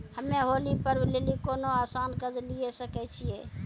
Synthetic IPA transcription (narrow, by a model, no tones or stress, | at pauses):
həmːeɦolipəɾblelikonoasankəd͡ʒlijesəkɛt͡ʃʰije